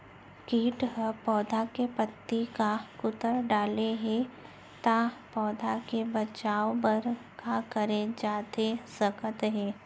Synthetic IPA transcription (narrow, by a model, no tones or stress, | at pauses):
kiːʈɦpɔːd̪ʱakepət̪ːikakʊt̪əɾɖaːleɦɛ̃ | t̪apɔːd̪ʱakebɐt͡ʃaːobɐɾkakəɾed͡ʒaːt̪esəkət̪ɦɛ̃ː